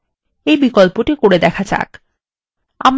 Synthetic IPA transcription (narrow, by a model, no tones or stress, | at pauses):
ejbikolpoʈikoɽed̪ɛkʰat͡ɕa̰k | am